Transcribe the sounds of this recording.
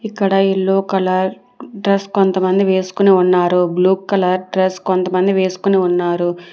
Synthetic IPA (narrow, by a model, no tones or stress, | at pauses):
ikːɐɽɐiɭːoːkɐlɐɾ | ɖɾeskont̪ɐmɐnd̪iʋe̞ːsu̥kuneunːaːɾubluːkːɐlɐɾɖɾeskont̪ɐmɐnd̪iʋe̞ːsu̥kuneunːaːɾu